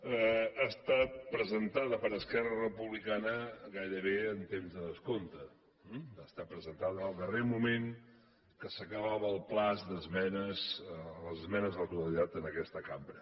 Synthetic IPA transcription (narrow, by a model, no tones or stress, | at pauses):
əast̪at̪̚pɾəzənt̪aðəpəɾəskɛrərəpuβlikanəɣajɾəβ̞eənt̪emzðəðəskont̪ə | ast̪at̪̚pɾəzənt̪aðəːlˠd̪əremumeŋ | kəsəkəβaβəːlˠplazd̪əzmɛnəzləzəzmɛnəzðələk̚t̪uəlit̪at̪ənəkɛst̪əkambɾə